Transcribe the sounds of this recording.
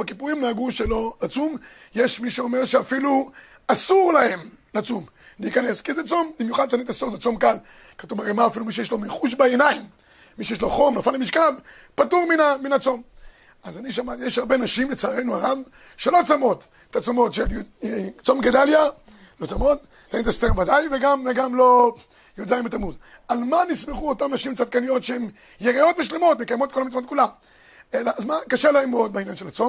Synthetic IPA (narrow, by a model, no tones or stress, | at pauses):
bakipuʁimlaaɡuʃelo̞at͡sumjeʃmiʃeome̞ʁʃeafilu | asuʁlahe̞m | lat͡sum | liːkaneskizet͡sombimjuχad̪̚t͡sanit̪asonzet͡so̞mkal | katuvaʁemaːfilumiʃejeʃlo̞miχuʃ̬baenaimː | iʃejeʃ̬lo̞χo̞mlafanemiʃkal | patuʁminaminat͡so̞m | azaniʃamajeʃhaʁbenaʃimlet͡saːʁejnuaʁav | ʃelo̞t͡samo̞t̪ | etat͡somo̞tʃel | t͡so̞mɡed̪alja | lo̞t͡samo̞t̪̚ | t̪aent̪ast̪eʁvadajveɡamveɡamlo | jodaimetamud | almanismeχuotamnaʃimt͡sad̪̚kanijo̞t̪ʃehem | jeʁio̞t̪veʃlemo̞tmekajmo̞t̪̚ko̞lamit͡smotkulam | elaʔzmakaʃelaemod̪bainjanʃelat͡so̞m